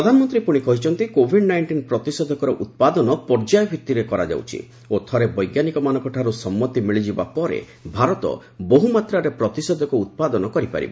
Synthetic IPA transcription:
pɾɔd̪ʱanɔmɔnt̪ɾipuɽ̃ikɔɦit͡ʃʰɔnt̪ikobʱiɖnajɳʈinpɾɔt̪isɔd̪ʱɔkɔɾɔʔut̪̚pad̪ɔnɔpɔɾd͡ʒajɔbʱjit̪ːiɾekɔɾa̰d͡ʒa̰wt͡ʃʰḭ | ot̪ʰɔɾebɔjɡjanikɔmanɔ̃ŋkɔʈʰaɾusɔmːɔt̪imiɭid͡ʒibapɔɾḛ | bʱaɾɔt̪ɔ̰ | boɦumat̪ɾaɾepɾɔt̪isɔd̪ʱɔkuut̪̚pad̪ɔnɔkɔɾipa̰ɾḭbe

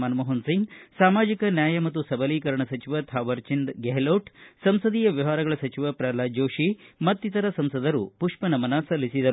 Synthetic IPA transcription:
aːnmoɦɐnsiŋɡsaːmaːd͡ʒikɐnjaːjɐmɐt̪ːusɐbɐliːkɐɾɐɳɐsɐt͡ʃiʋɐt̪ʰaːʋɐɾt͡ʃind̪ɡeɦloːʈsɐmsɐd̪iːjɐʋjɐʋaːɾɐɡɐɭɐsɐt͡ʃiʋɐpɾaːlaːd͡ʒoːʃimɐt̪ːit̪ɐɾɐsɐmsɐd̪ɐɾupuʂpɐnɐmɐnaːsɐlːisid̪ɐɾu

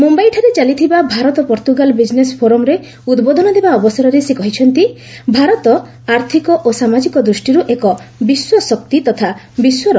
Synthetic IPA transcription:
mumbajʈʰaɾet͡ʃalit̪ʰibabʱaɾɔt̪ɔpɔɾt̪uɡalɔbid͡ʒnespʰoɾɔmɾe | ud̪bod̪ʱɔnɔd̪ebaɔbɔsaɾɔɾesekɔɦit͡ʃʰɔnt̪i | bʱaɾɔt̪ɔ | aɾt̪ʰikɔʔosamad͡ʒikɔd̪ɾusʈiɾuʔekɔbiswɔsɔk̚t̪it̪ɔt̪ʰa | biswɔɾɔ

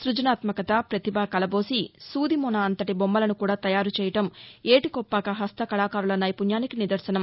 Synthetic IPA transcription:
sɾud͡ʒɐnaːt̪mɐkɐt̪apɾɐt̪ibʱaːkɐlɐbo̞ːsisuːd̪imɔːnaːɐnt̪ɐʈibombɐlɐnukuːɽaːt̪ɐjaːɾut͡ʃɛːjɐʈɐmeːʈikɔpːaːkɐɦɐst̪ɐkɐlaːkaːɾulɐnɐjpunjaːnikinid̪ɐɾsɐnɐm

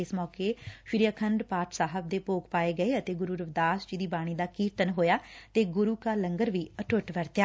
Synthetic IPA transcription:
ɪsmɔːkeːfɪɾijaːkʰəɳɖpaːʈʰsaːɦəb̚d̪eːpoːkpaːeːɡəeːət̪eːɡʊɾuːɾəʋd̪aːst͡ʃid̪iːbaːɽ̃iːd̪aːkiːɾt̪ənɦoːjaːt̪eːɡʊɾuːkaːləŋɡəɾʋiːəʈʰʊʈʋəɾt̪jaː

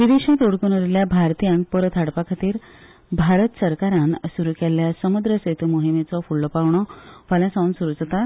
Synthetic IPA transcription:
ʋid̪eɕãt̪oɽkunoɾiljabʱaɾt̪ijãŋk̚pəɾət̪ʰaɽpakʰat̪iːɾ | bʱaɾət̪səɾkaɾãnsuɾukɛlːjasəmud̪ɾəset̪umoɦimet͡sɔfuɭːɔpaʋɳ̃ɔfaljãsãũnsuɾud͡zt̪a

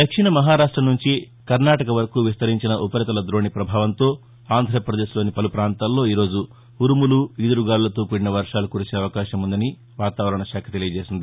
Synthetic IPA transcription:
d̪ɐkʂiɳɐmɐɦaːɾaːʂʈɾɐmnuɲt͡ʃi | kɐɾnaːʈɐkɐʋɐɾɐkuʋist̪ɐɾiɲt͡ʃinɐʔupɐɾɐt̪ɐlɐd̪ɾo̞ːɳipɾɐbʱaːʋɐnt̪o̞ː | aːnd̪ʱɾɐɐpɾɐd̪e̞ːʃlo̞ːnipɐlupɾaːnt̪aːlːo̞ːiːɾo̞ːd͡ʒu | uɾumuluid̪ɐɾuɡaːlulɐt̪uːkuɽinɐʋɐɾʂaːlukuɾut͡ʃeːɐʋɐkaːʃɐmund̪ɐni | ʋaːt̪aːʋɐɾɐɳɐʃaːkʰɐt̪elijɐd͡ʒeːsind̪i

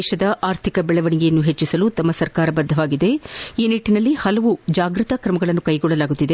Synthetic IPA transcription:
ʃɐd̪ɐʔaːɾt̪ʰikɐbɛɭɐʋɐɳiɡejɐnːuɦet͡ʃːisɐlut̪ɐmːɐsɐɾkaːɾɐbɐd̪ʱːɐʋaːɡid̪e̞iːniʈːinɐlːihɐlɐʋud͡ʒaːɡɾɨt̪ɐkɾɐmɐɡɐɭɐnːukɐjɡɔɭːɐlaːɡut̪ːid̪e

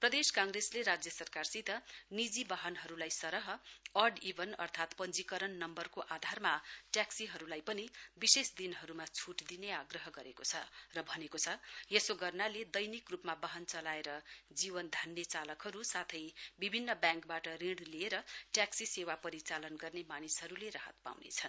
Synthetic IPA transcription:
prʌd̪eskaŋresleɾad͡zjʌsʌrkarsit̪ʌnid͡zibaɦʌnɦʌɾulajsʌɾʌɦʌʌɖibʱʌnʌ̰rt̪ʰat̪pʌnd͡zikʌɾʌnːʌmbʌrkoʔad̪ʱarmaʈjaksiɦʌɾulajpʌnibisesd̪inɦʌɾumat͡sʰuʈd̪ineaɡrʌɦʌɡʌɾekot͡sʰʌ̰rʌbʱʌnekot͡sʰʌjesoɡʌrnaled̪ʌjnikrupmabaɦʌnt͡sʌlaeɾʌd͡zibʌnd̪ʱanːjet͡salʌkɦʌɾusat̪ʰʌjbibʱinːʌbjãŋkbaʈʌriɽlieɾʌʈjaksisewapʌɾit͡salʌnɡʌrnemanisɦʌɾuleɾaɦʌ̰t̪̚pa̰wnḛt͡sʰʌn

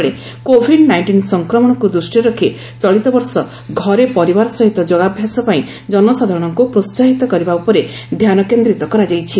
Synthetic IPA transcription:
ɭe | kobʱiɖnajɳʈinsɔŋkɾɔmɔɽ̃ɔkud̪ɾusʈiɾokʰe | t͡ʃɔɭit̪ɔbɔɾsɔ | ɡʱɔɾepɔɾibaɾɔsɔɦit̪ɔd͡ʒoɡabʱjasɔpaĩ | d͡ʒɔnɔsad̪ʱaɾɔɽ̃ɔŋkupɾossaɦit̪ɔkɔɾibaupɔɾe | d̪ʱjanɔkend̪ɾit̪ɔkɔɾad͡ʒajt͡ʃʰi

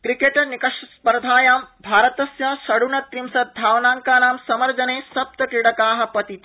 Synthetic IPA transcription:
kɾikeʈɐɾnikɐʂɐspɐɾɐd̪ʱaːjaːmbʱaːɾɐt̪ɐsjɐʃɐɽuɳɐt̪ɾimsɐt̪̚d̪ʱaːʋnaːŋkaːnaːmsɐmɐɾd͡ʒɐneːsɐp̚t̪ɐkiɽɐkaːɦɐ̆pɐt̪it̪ɐ

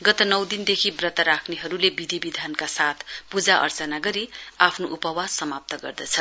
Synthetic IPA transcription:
ɡʌt̪ʌnʌwd̪ind̪ekʰibrʌt̪aɾakʰneɦʌɾulebid̪ʱibid̪ʱankasat̪ʰpud͡zaʔʌ̰rt͡sʌnaɡʌɾiapʰnoʔupʌwad͡zsʌmap̚t̪ʌɡʌ̰rd̪ʌt͡sʰʌ

